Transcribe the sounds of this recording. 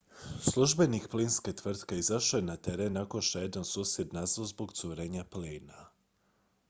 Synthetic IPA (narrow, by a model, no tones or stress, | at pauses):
slˠuʒbe̞nikplinske̞t̪ʋr̩t̪keizaʃojenat̪eɾenːako̞nʃtejed̪ansuːsje̞d̪nazozboɡt̪suɾeːɲapliːna